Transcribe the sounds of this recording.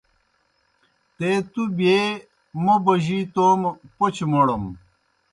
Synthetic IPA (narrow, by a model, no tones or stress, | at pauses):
t̪eːt̪ube | mɐbɐʑiːt̪oːmpot͡ɕmoɽɐm